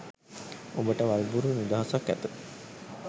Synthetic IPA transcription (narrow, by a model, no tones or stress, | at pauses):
obəʈəʋalbuɾunud̪aɦasakːæt̪u